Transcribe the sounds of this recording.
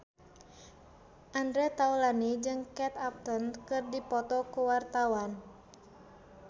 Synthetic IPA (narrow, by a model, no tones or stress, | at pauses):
ʔandɾɛt̪aulanid͡ʒɨŋkɛt̪ap̚t̪ənkɨrdipɔt̪ɔkuwart̪awan